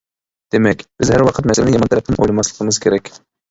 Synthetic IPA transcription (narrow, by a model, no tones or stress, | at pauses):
d̪̥emɛkʲb̥ɪzhæɾwɑqʰət̪mɛsælɪnɪjɑmɑnt̪ælɛp̚nɪmʔojlɪmɑslˠə̥qʰəmɨz̥kʲʰeɾɛkʲ